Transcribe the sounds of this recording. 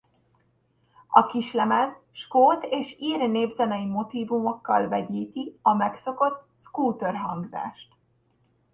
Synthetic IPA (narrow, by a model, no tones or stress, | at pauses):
ɒkiʃlɛmɛzʃkoːt̪eːʃiːrneːbzɛnɛjimo̞t̪iːvumo̞kːɒlvɛɟiːt̪iɒmɛkso̞ko̞t̪ | skuːt̪ørɦɒŋɡza̰ːʃt̪